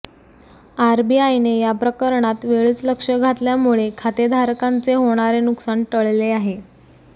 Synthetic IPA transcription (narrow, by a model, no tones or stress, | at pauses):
aɾbiajnejapɾəkəɾɳat̪ʋeɭiːt͡sləkʂəɡʱat̪ljamuɭekʰat̪ed̪ʱaɾkant͡seɦoɽ̃aɾenuksaɳʈəɭleaɦe